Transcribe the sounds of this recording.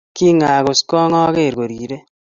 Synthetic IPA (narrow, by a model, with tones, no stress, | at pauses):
ki˦ŋaː˨ɣo˨skɔ˦ŋɔ˦ɣe˦˨ɾɡo˨ɾi˨ɾe˦